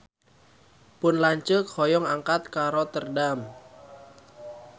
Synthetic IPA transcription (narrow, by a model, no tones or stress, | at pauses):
pʊnlaɲt͡ʃəhɔjɔŋaŋkat̪̚kaɾot̪ərdam